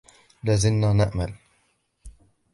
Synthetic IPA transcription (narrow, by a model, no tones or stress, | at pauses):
laːzɪnːaːnaʔmal